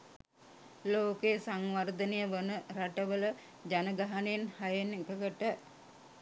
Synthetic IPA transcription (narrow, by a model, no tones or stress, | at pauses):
loːkejəsaŋʋard̪ənejəʋənəɾaʈəʋələ | d͡ʒanəɡaɦanenhajenekəɡəʈə